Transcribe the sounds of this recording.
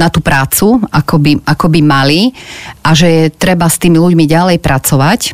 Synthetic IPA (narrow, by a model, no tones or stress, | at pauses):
nat̪upɾaːt͡suakɔbiʔakɔbimaliʔaʒɛjɛt̪ɾɛbast̪iːmiluɟmiɟalɛjpɾʔat͡sɔʋac